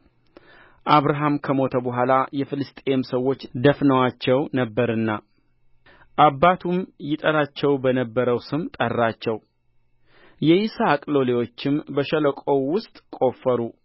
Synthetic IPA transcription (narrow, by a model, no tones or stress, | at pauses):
ʔaβɾaɦamkʰəmo̞t̪ʰəbəɦʷalajɛfɨlɨst̪ʼeemsəwːo̞t͡ʃːd̪əfnəwat͡ʃːɛwnəbːəɾɨnːa | ʔabːat̪ʰumjɪt̪ʼəɾat͡ʃːɛwbənəbːəɾəwsɨmt̪ʼərːat͡ʃːɛw | jɛʔisakʼlo̞lewo̞t͡ʃːɪmbəʃələkʼo̞wʊst̪ʼkʼo̞fːəɾu